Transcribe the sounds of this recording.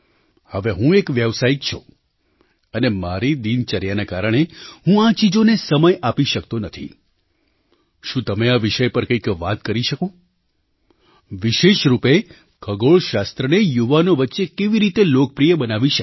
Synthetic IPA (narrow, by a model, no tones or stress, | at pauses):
həʋeɦũekʋjəʋsaikt͡ʃʰo̰ | ənemaɾid̪int͡ʃəɾjanakaɾəɽ̃eɦũat͡ʃid͡ʒonesəməjapiʃək̚t̪onət̪ʰḭ | ʃũt̪əmeaʋiʃəjpəɾkəjkʋat̪kəɾiʃəko | ʋiʃeʃɾupe | kʰəɡoɭʃast̪ɾənejuʋanoʋətːʃekeʋiɾit̪elok̚pɾijəbənaʋiʃək